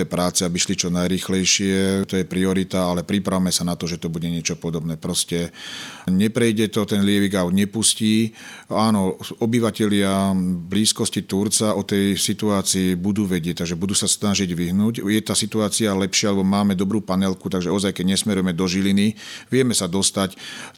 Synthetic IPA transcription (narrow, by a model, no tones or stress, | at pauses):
ɛpɾaːt͡sɛabiʃlit͡ʃɔnajɾiːxlɛjʃɪɛt̪ɔjɛpɾiɔɾit̪aalɛpɾipɾawmɛsanat̪ɔʒɛt̪ɔbuɟɛɲɪɛt͡ʃɔpɔd̪ɔbnɛːpɾɔscɛ | ɲɛpɾɛjɟɛt̪ɔt̪ɛnlɪɛʋiɡaʊd̪ɲɛpusciːaːnɔɔbiʋacɛʎɪabliːskɔscit̪uɾt͡saʔɔt̪ɛjsit̪uaːt͡siːbud̪uːʋɛɟɪɛc̚t̪aɡʒɛbud̪uːsasnaʒiɟʋiɦnuːɟjɛt̪aːsit̪uaːt͡sialɛpʃɪaalɛbɔmaːmɛd̪ɔbɾuːpanɛlkut̪aɡʒɛɔzajkɛɟɲɛsmɛɾujɛmɛd̪ɔʒiliniʋɪɛmɛsad̪ɔst̪ac